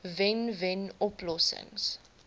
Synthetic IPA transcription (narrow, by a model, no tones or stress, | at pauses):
vɛnvɛnɔplɔsɪ̰ŋs